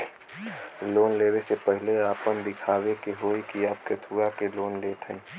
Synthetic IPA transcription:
loːnleːwesepəɦɪleaːpənd̪ɪkʰaːwekeɦoːikiaːp̚ket̪ʰuakeloːnleːt̪ʰɛ̰̃ː

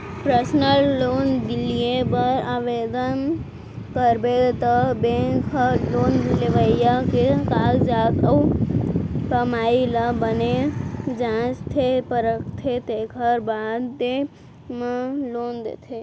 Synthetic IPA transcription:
pɾəsnəlːoːnd̪ɪlijebəɾaːʋed̪ən | kəɾbet̪əbẽkʰəloːnbʱuleʋəijakekaːld͡ʒaːt̪əu | pəmaːiləbəned͡ʒãːt͡ʃt̪ʰepəɾəkʰt̪ʰet̪eːkʰəɾbaːd̪ːe | meloːnd̪ḛt̪ʰe

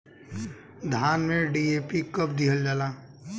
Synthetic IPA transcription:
d̪ʱaːnmẽɖieːpikəp̚d̪iɦəld͡ʒaːlaː

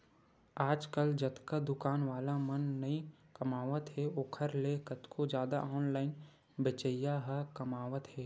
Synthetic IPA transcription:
aːd͡ʒkəld͡ʒət̪kad̪ʊkaːnʋaːlamənːəi | kɐmaːʋət̪ɦɛoːkʰəɾlekət̪kʰod͡ʒjaːd̪a̰ʔɔːnlaːɪn | bɪt͡ʃəjaɦəkɐmaːʋət̪ɦɛː

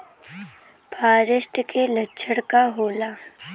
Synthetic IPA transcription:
pʰaːɾɪʃʈkelɐtːʃʰəɽkaɦoːlaː

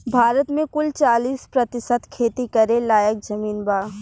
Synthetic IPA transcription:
bʱaːɾət̪mẽkʊlt͡ʃaːliːspɾɐt̪ɪʃət̪kʰeːt̪ikɐɾẽlaːjək̚d͡ʒɐmiːnbaː

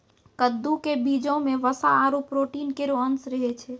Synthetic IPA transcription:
kəd̪ːukebid͡ʒõmeʋəsaːɾupɾoʈinkeɾoənsɾəɦɛt͡ʃʰɛ

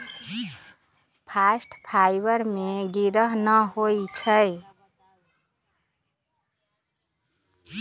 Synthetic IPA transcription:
pʰasʈpʰajbəɾmeɡiɾəɦnəɦojt͡ʃʰəj

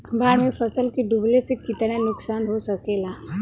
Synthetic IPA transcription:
bʱaːɾmẽfʰəsəlkiɖublesekɪt̪nanʊksaːnɦosɐkeːlaː

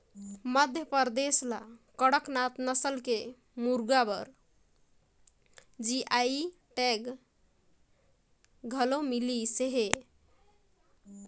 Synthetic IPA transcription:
məd̪ʱjəpəɾd̪esla̰kəɽəknat̪nəsəlke | muɾɡabəɾ | d͡ʒiʔai | ʈeɡ | ɡʱəlomiliseɦe

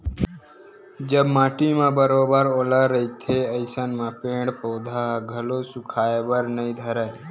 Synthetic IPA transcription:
d͡ʒəbmãːʈimãːbəɾoːbəɾoːlaɾəit̪ʰeəɪsənmãːpẽːɽpəːd̪ʱaɡʱəloːsʊkʰaːebəɾnəĩd̪ʱəɾə

